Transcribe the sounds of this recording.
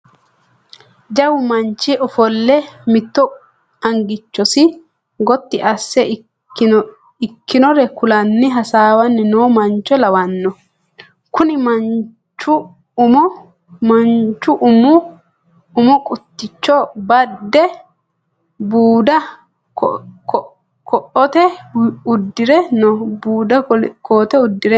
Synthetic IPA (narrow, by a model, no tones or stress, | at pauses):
d͡ʒɐwʊmɐnt͡ʃːɪʔɔfɔlːɛmɪt̪ːɔ | ɐŋɡɪt͡ʃːɔsɪ | ɡɔt̪ːɪʔɐsːɛ | ɪkːɪnɔɾɛkʊlɐnːɪɦɐsaːwɐnːɪnoːmɐnt͡ʃːɔlɐwɐnːɔ | kʊnɪmɐ | t͡ʃːʊ | mʊ | mɐnt͡ʃːʊʔʊmʊ | ʊmʊkʼʊt̪ːɪt͡ʃːɔbɐd̪ːɛ | buːd̪ɐ | kɔʔɔt̪ɛʊd̪ːɪɾɛnɔbuːd̪ɐkʰoːt̪ɛʊd̪ːɪɾɛ